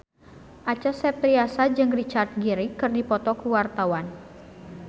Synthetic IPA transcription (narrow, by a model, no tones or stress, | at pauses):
ʔat͡ʃasɛp̪ɾiasad͡ʒɨŋrit͡ʃart̪̚ɡiɾikɨrdipɔt̪ɔkuwart̪awan